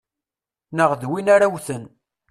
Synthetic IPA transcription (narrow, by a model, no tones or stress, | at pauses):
nəʁðwinaɾawθən